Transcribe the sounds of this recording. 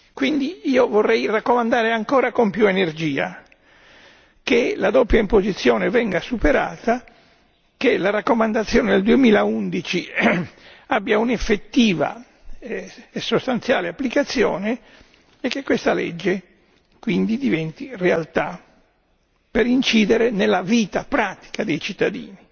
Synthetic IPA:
kwind̪iiːovorːɛjrakːomand̪aːɾeaŋkɔːɾakompjuenerd͡ʒiːa̰ | kelad̪ɔpjaimpozit̪sːjɔːnevɛŋɡasupeɾa̰ːt̪a | kelaɾakːomand̪at̪sːjɔːned̪eld̪uemiːlaund̪it͡ʃi | abːjaunefːet̪ːiːva̰ | esːost̪ant̪sjaːleapːlikat̪sːjɔ̰ːne | ekːekːwest̪alḛd͡ʒːe | kwind̪id̪ivɛnt̪irealt̪a | peɾint͡ʃiːd̪eɾenelːaviːt̪apɾaːt̪i̥kad̪ejt͡ʃit̪ːad̪ḭːni

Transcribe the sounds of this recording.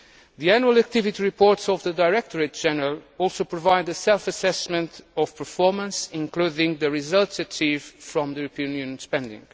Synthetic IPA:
ðiænjuəlˠək̚t̪ɪvit̪iɹipʰɔɹtsɔvðədaɪɹɛk̚t̪ʰɔɹet̚d͡ʒɛnəɹəlˠɔlˠsowpɹɔvaɪd̪ɨsɛlˠfəsɛsmə̃nt̪ɔv̥pʰə˞fɔɹmə̃nsɪ̃ŋkluðɪ̃ŋðɨɹizʌlˠtsɨt͡ʃʰiv̥fɹɔ̃mðəjuɾəpiɨ̃njũnjə̃nspɛ̃nd̪ɪ̰̃ŋɡ

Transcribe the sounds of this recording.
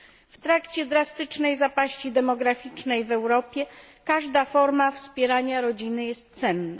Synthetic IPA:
ft̪ɾakt͡ɕɛd̪ɾast̪ɘt͡ʂnɛjzapaɕt͡ɕid̪ɛmɔɡɾafʲit͡ʂnɛjvɛwɾɔpʲjɛkaʐd̪afɔɾmafspʲjɛɾaɲaɾɔd͡ʑinɘjɛst̪̚t̪sɛnːa̰

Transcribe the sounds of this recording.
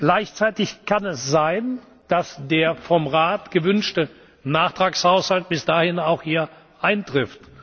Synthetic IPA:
ɡ̥laɪçt͡saɪtɪçkʰanɛsz̥aɪn | d̥asd̥eːɐfɔmʁaːtɡ̥əvʏnʃtə | naːχtʁ̥aːkshaʊshalt̚b̥ɪsd̥aːhɪnaʊxhiːɐ | ʔaɪntʁ̥ɪft

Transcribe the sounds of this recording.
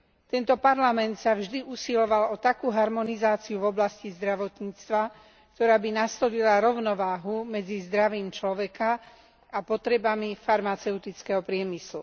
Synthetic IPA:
t̪ɛnt̪ɔpaɾlamɛnt̪savʒd̪iʔusilɔʋalɔt̪akuːɦaɾmɔnizaːt͡siuvɔblascizd̪ɾaʋɔt̪ɲiːt͡st̪ʋa | k̚t̪ɔɾaːbinast̪ɔlilaɾɔʊnɔʋaːɦumɛd͡zizd̪ɾaʋiːmt͡ʃlɔʋɛka | apɔt̪ɾɛbamifaɾmat͡sɛʊt̪it͡skɛɦɔpɾɪɛmislṵ

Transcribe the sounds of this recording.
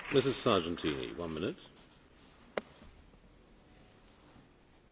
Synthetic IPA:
mɪsɨz̥sɑːd͡ʒə̃ntʰĩːnḭwʌ̃nmɪ̃nɪt̚

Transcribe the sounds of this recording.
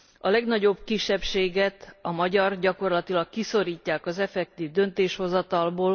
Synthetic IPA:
ɒlɛɡnɒɟo̞bkiʃːɛpʃeːɡɛt̪ɒmɒɟɒrɟɒko̞rlɒt̪ilɒkːiso̞ɾiːcːaːkɒzɛfɛk̚t̪iːvd̪ønt̪eːʃho̞zɒt̪ɒlboːl

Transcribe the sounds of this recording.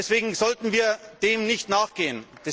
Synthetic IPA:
ɛsv̥eːɡŋ̩zɔltn̩viːɐd̥eːmnɪçtnaːχɡ̥eːənd̥ɛ

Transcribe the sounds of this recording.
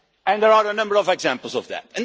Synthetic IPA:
ɨ̃nðə˞aɹənʌ̃mbə˞ɔvɛɡzæ̃mpl̩ˠzɔvðæ̰t̚ɨ̃n

